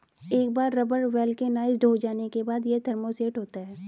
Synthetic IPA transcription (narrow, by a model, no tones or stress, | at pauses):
eːk̚baːɾːɐbəɾʋɛːlkenaːɪzɖʱoːd͡ʒaːnekebaːd̪jet̪ʰɐɾmoseːʈɦoːt̪aɦɛː